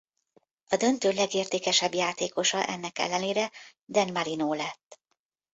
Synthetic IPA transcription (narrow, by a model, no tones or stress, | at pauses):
ɒd̪ø̞nt̪øːlɛɡeːrt̪eːkɛʃɛbjaːt̪eːko̞ʃɒʔɛ̰nːɛkɛ̰lːɛneːɾɛd̪ɛnmɒɾinoːlɛt̪ː